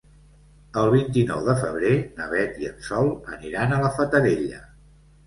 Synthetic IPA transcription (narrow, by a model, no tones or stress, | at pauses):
əlˠβ̞int̪inɔ̰wðəfəβ̞ɾenəβɛt̪iənsɔlˠə̰niɾanələfət̪əðeʎə